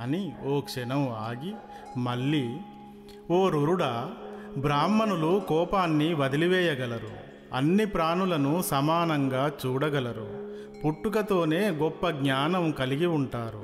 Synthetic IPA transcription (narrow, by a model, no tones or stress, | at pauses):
ɐnioːkʂɛnɐmaːɡi | mɐɭːi | oːɾuɾuɽɐbɾaːmːɐnulukɔːpaːnːiʋɐd̪iliʋɛːjɐɡɐlɐɾṵ | ɐnːipɾaːnulɐnusɐmaːnɐŋɡaːt͡ʃuːɽɐɡɐlɐɾṵ | puʈːuk̬ɐt̪o̞ːne̞ːɡɔpːɐɡɲaːnɐmkɐliɡiuɳʈaːɾu